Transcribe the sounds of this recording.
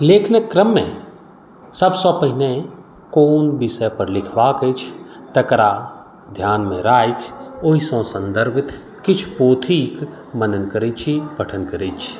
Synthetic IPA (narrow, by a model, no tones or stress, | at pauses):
leːkʰnəkːɾəmːḛ̃ | sɐbsɔːpəɦinẽ | koːnbɪsəjpəɾlɪkʰʋaːkət͡ʃʰt̪ɐkɾa | d̪ʱjaːnmḛ̃ɾaːjkʰoːisɔ̃ːsə̃nd̪əɾbɪt̪ʰ | kɪt͡ʃʰpoːt̪ʰiːk | mənənkəɾit͡ʃʰipɐʈʰənkəɾit͡ʃʰ